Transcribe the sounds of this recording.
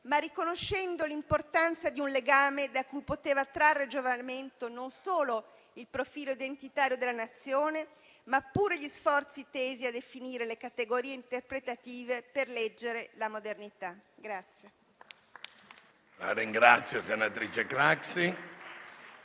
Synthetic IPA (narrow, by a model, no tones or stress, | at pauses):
marːikonoʃːɛnd̪olimport̪ant̪sad̪iunleɡaːmed̪akujpot̪eːvat̪ɾarːed͡ʒovament̪ononsoːlo | ilpɾofiːloid̪ent̪it̪aːɾjod̪elanat̪sːjoːne | mapːuːɾeʎisfɔrt̪sit̪eːziad̪efiniːɾelekat̪eɡoɾiːeint̪erpɾet̪at̪iːveperlɛd͡ʒːeɾelamod̪ernit̪aɡɾat̪sːje | la̰ɾiŋɡɾat̪sːjosenat̪ɾiːt͡ʃekɾaksi